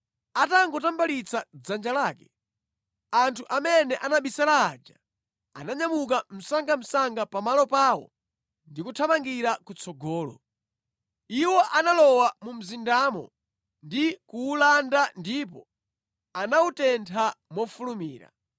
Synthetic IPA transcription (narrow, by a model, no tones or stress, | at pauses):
ataŋɡɔtambalit͡sʰad͡zand͡ʒalaːkɛ | antʰuʔamɛnɛʔanaɓisalaːd͡ʒa | a̰naɲamuk̬am̩saŋɡam̩saŋɡapamalɔpaːwɔ̰ | ndikutʰamaŋɡiɾakut͡sʰɔɡɔːlɔ̰ | iwɔʔanalɔwamum̩zindaːmɔ̰ | ndikuːlandandipɔ | anautɛntʰamɔfulumiːɾa̰